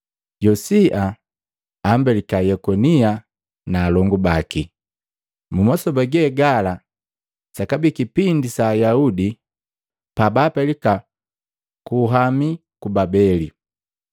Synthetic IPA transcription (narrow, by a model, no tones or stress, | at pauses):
ɟɔsiʔa | am̩bɛlikajɛkɔnia | naːlɔŋɡubaki | mumɔsɔbaɡɛːɡala | sakabikipindisaːjaudi | pabaːpɛlika | kuɦami | kubabɛli